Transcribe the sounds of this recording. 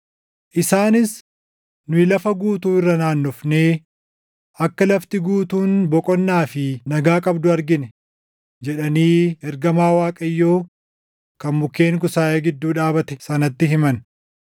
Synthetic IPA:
ʔɪsaːnɪs | nʊɪlɐfɐɡuːt̪uːɪrːɐnaːnːʊfneː | ʔɐkːɐlɐft̪ɪɡuːt̪uːnbɔkʼɔnːaːfɪnɐɡaːkʼɐbd̪ʊɐɾɡɪnɛ | d͡ʒɛᶑɐniːɛɾɡɐmaːwaːkʼɐjːo̞ː | kɐnmʊkːe̞ːŋkʊsaːʔeːɡɪd̪ːuːᶑaːbɐt̪ɛ̥sɐnɐt̪ːɪɦɪmɐn

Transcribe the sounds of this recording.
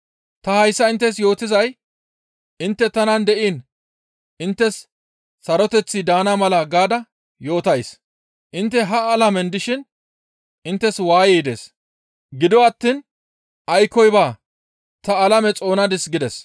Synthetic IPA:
t̪ɐhɐjsːɐɪnt̪ːɛs̬jo̞ːt̪ɪzɐj | ɪnt̪ːɛt̪ɐnɐnd̪ɛʔiːn | ʔɪnt̪ːɛsː | ɐɾɔt̪ɛt͡sːɪd̪aːnamɐlɐɡaːd̪ɐ | jo̞ːt̪ɐjs | ʔɪnt̪ːɛɦɐːlɐmɛnd̪ɪʃɪn | ɪnt̪ːɛswaːjɛːd̪eːs | ɡɪd̪ɔwɐt̪ːiːn | ʔɐjkːɔjbaː | t̪ɐːlɐmɛt͡sʼo̞ːnɐd̪ɪsɡɪd̪ɛs

